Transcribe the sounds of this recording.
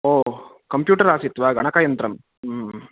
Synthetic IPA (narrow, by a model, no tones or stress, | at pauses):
oː | kɐmpjuːʈɐɾaːsit̪ːʋaːɡʱɐɳɐkaːjɐnt̪ɾɐm